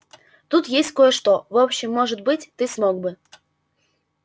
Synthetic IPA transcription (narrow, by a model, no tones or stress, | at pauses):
t̪ut̪jesʲtʲkojəʂt̪ovopɕːɪmːoʐɨt̪̚bɨtʲt̪ɨsmoɡ̚bɨ